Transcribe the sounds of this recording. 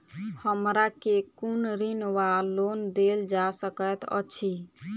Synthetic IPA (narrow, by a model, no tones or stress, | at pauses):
həmɾakekunɾinwalond̪eld͡ʒasəkət̪ə̰t͡ʃʰi